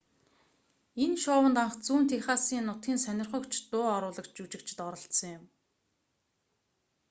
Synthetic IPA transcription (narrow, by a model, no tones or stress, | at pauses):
enʃʊːwə̆nt̪aɴχt͡suːn̥t̪ʰeχaːsiːnːʊt̪ɡʲiːnsœnʲɪ̆rχə̆kt͡ɕʰt̪ʊːɔɾʊːɮə̆kt͡ɕut͡ɕɪ̆kt͡ɕʰɪ̥̆t̪ɔɾɞ̆ɬt̪sə̆ŋjʊm